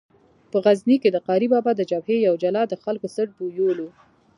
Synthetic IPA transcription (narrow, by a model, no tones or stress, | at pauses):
pəɣazniked̪əqɑɾibɑbɑd̪əd͡ʒabhejawd͡ʒalɑd̪əxalkosəʈ̚bujolu